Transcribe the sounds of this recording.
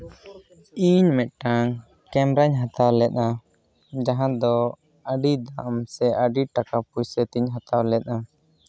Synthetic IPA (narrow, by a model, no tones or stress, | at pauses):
iɲmɛt̪̚ʈaŋ | kɛmɾaɲɦat̪awlɛt̪̚na | d͡ʒaɦãd̪ɔ | aɖid̪aʔmsɛʔəɖiʈakapujsɛt̪iɲɦat̪awlɛt̪̚a